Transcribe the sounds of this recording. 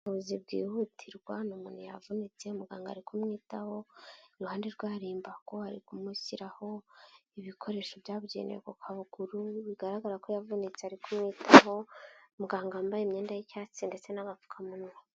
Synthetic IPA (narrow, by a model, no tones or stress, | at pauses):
uuβuzibɡḭːhutʰiɾɡwanomunhuja̰vunit͡se̞umuɡaːŋɡa̰ɾikʰumŋiːtaho̞iɾuhaːndeɾɡwaːɾiːmbako̞haɾḭkumusiɾaho̞iβikʰo̞ɾe̞ʃobjaːβɟḛnejḛkokʰaβuɡ̥uɾuβiɡaɾaɡaɾakojavunit͡seaɾikʰumŋiːtʰaho̞muɡaːŋɡaːmbajemɲe̞ːndajicaːt͡sinde̞t͡se̞naɡafu̥kʰamuna